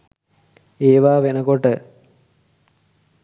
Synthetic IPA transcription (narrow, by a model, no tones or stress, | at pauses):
eːʋaːʋenɐkoʈːə